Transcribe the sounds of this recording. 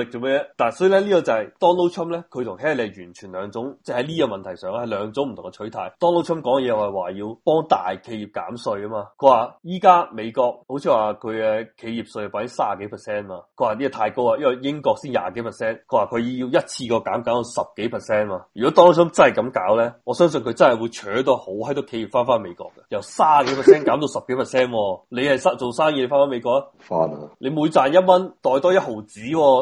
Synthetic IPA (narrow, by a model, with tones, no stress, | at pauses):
ɪ˨k̚o˨˧me˥jɛ˥t̪aː˨˩nsɔː˨˥jiː˨lɛ˥liː˥kɔ˧t͡sɐ˨hɐ˨jt̪ɔː˥ŋlo˥wt͡ʃʰɐ˥mlɛː˥kʰt̪ʰʊ˨˩ŋɦɛː˥le˨˧jyː˨˩nt͡ʃʰyː˨˩nlœː˨˧ŋt͡sʊ˨˥ŋt͡sɛ˥˩hɐ˨˥jliː˥a˧mɐ˨nt̪ʰɐ˨˩jsœː˨˩ŋ˥hɐ˨˧jlœː˨˧ŋt͡sʊ˨˥ŋm̩˨t̪ʰʊ˨ŋkɛ˧t͡ʃʰɵ˨˥t̪ʰa̰˨˩jt̪ɔː˥ŋlo˥wt͡ʃʰɐ˥mkɔː˨˥ŋ˨jɛː˧wɐ˨˩waː˨˩jiː˧wpɔː˥ŋt̪a̰ː˨jkʰe˧jiː˨˩p̚ka̰ː˨˥msɵ˧ɥɐ˥maː˧kʰɵ˨˧ɥwaː˨jiː˥kaː˥me˨˧jkɔː˧k̚ho˨˥wt͡sʰiː˧waː˨kʰɵ˨˧ɥɛ˧kʰe˨˧jiː˨p̚sja˨˩paː˨˥jɪ˥ŋsaː˥˨ke˨˥jpʰɛ˨˩sɛː˥nmaː˧kʰɵ˨˧waː˨˩liː˥˨˧t̪ʰaː˧jko˥waː˧jɐ˥wɐ˨˧jɪ˥ŋkɔː˧k̚siː˥nja̰ː˨ke˨˥jpʰɛ˨˩sɛː˥nkʰɵ˨˧waː˨kʰɵ˨˧ji˧wjɐ˥t̚t͡sʰiː˧kɔː˧kaː˨˥mkaː˨˥mt̪o˧wsɐ˨p̚ke˨˥jpʰɛ˨t̚sɛː˥naː˧jy˨kɔː˨˥t̪ɔː˥ŋsmt͡sɐ˥nhɐ˨jkɐ˨˥mkaː˨˥wlɛː˥ŋɔː˨˧sœː˥ŋs̬ɵ˧nkʰɵ˨˧ɥt͡sɐ˥hɐ˨˩wuː˨˧t͡ʃʰœː˨˥t̪ɔː˧ho˨˥whɐ˥jt̪ʊ˨˧kʰːe˨˧ji˨˩pfaː˥nfaː˥nme˨˧jkɔ̰ː˧kːɐ̥˧jɐ˨˩wsaː˥˨ke˨˥jpʰɛ˨ssɛː˥nkaː˨˥mt̪o˧wsɐ˨p̚ke˨˥pʰɛ˨sɛː˥nwɔː˧le˨˧jhɐ˨jsaː˥t͡so˨˩wsaː˥njiː˧e˧faː˥nfaː˥me˨˧jkɔː˧l | fa̰ː˧˥n˧le˨˧muː˨˧jt͡saː˨˩njɐ˥t̚mɐ˥nt̪ɔː˨jt̪ɔː˥jɐ˥t̚ho˨wt͡siː˨˥wɔː˧